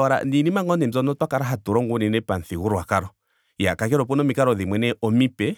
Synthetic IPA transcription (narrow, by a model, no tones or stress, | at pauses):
ɔɾa̰ninimaŋɡɔnɛzɔnɔtwakaɾaɦatuɾɔŋɡuninɛpanθiɣuɾɔwakaɾɔ | jakak̬ɛɾɔpɔnɔmikaɾɔðimwɛnɛʔɔmipɛ